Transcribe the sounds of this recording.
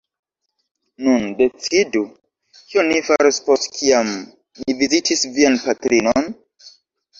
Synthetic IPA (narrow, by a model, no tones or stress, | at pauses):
nunde̞t͡sidu | kionifaɾispostkʰiam | nivizitʰisvianpatɾinon